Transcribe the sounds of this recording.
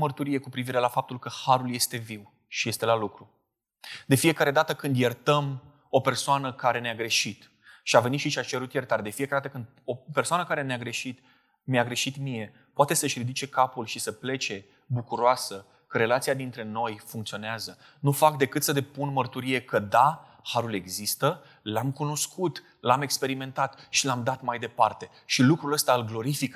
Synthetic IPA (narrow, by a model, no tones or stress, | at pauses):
mərt̪uɾije̞kupɾiviɾe̞lafap̚t̪ulkəhaɾulje̞st̪e̞viw | ʃije̞st̪e̞lalukɾu | d̪e̞fie̞kaɾe̞d̪at̪əkɨnd̪jert̪əm | o̞pe̞rsoanəkaɾe̞neaɡɾe̞ʃit̪ | ʃiave̞nit̪ʃit͡ʃiat͡ʃe̞ɾut̪jert̪aɾd̪e̞fiekaeat̪əkɨnd̪ | ope̞rsoanəkaɾe̞neaɡɾe̞ʃit̪ | meaɡɾe̞ʃit̪mije̞ | poat̪e̞səʃrid̪ut͡ʃe̞kapulʃisəple̞t͡ʃe̞ | bukuɾoasə | kəɾe̞lat̪siad̪int̪ɾe̞no̞jfuŋkt̪sio̞neazə | nufakd̪e̞kɨt̪səd̪e̞punmərt̪uɾije̞kəd̪a | haɾule̞ɡzist̪ə | lamkuno̞skʰut̪ | lame̞kspe̞ɾime̞nt̪at̪ʃilamd̪at̪majd̪e̞part̪e̞ | ʃilukɾuləst̪aɨlɡlo̞ɾifik